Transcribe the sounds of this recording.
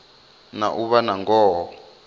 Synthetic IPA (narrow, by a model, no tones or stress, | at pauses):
na̰ʔuβanaŋɡɔːɦɔ